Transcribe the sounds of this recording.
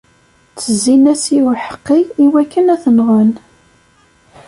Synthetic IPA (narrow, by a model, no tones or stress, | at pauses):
t͡sːəzːinæsiwħə̥qːiiwækːənæθənʁən